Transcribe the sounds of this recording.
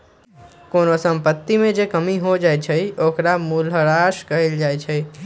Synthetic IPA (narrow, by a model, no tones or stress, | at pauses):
konosəmpət̪ːimẽd͡ʒekəmiɦod͡ʒajt͡ʃʰəjokɾamuləɾaʃkəɦeld͡ʒajt͡ʃʰəj